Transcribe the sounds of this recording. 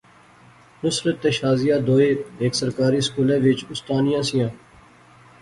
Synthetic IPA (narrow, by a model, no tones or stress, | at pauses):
mʊsɾət̪ːeʃaːzijaːd̪oːeːeːksəɾkaːɾiːskuːlẽːʋɪt͡ʃʊst̪aːnijãːsɪjãː